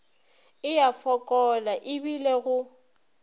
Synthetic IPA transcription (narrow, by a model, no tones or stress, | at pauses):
ɪjafɔkʼɔlaʔɪbileɣʊ